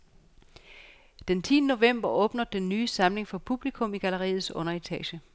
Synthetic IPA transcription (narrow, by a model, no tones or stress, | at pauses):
d̥ent͡sʰiːnəno̝ʋem̰b̥ɐʔɔ̽ːb̥nɐd̥enːyːsɑ̈mle̝ŋfɒ̽pʰub̥likʰɔ̽miɡ̥æləʁḭːð̩ˠsɔ̽nɐit͡sʰɛ̰ːɕə